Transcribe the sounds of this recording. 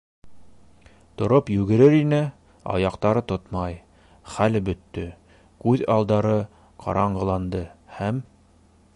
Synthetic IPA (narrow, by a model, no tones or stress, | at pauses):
t̪ŏɾopjʉɣɡɘ̆ɾɘɾinɘ | ɑ̰jɑqt̪ɑɾɤt̪ot̪mɑj | χælbɵ̆t̪ːɵ | kʉðɑlˠd̪ɑɾɤ | qʰɑ̰ɾɑɴɢɤ̆lˠɑnd̪ɤhæm